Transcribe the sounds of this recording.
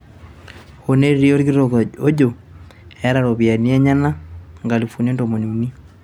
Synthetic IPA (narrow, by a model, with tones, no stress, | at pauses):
ho˨ne˦ɾɾi˦o˦ɾɡi˦oo˦d͡ʒo˨ | a˦ɾa˨ɾo˨βi˨a˨ni˦a˦ɲa˦na˦ŋɡa˨li˨fu˨ne˦nto˨mo˨ni˨u˨ni˦